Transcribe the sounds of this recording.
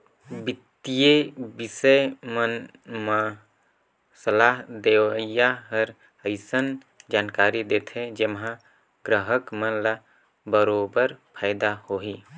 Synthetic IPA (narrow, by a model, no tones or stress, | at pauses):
bɪt̪ːijebisəjmən | ma | səlaːɦd̪eʋəjaɦəɾ | əɪsən | d͡ʒaːnkaːɾid̪eːt̪ʰẽd͡ʒemɦã | ɡɾəɦəkmənla | bəɾobəɾpʰaːɪd̪ahoɦi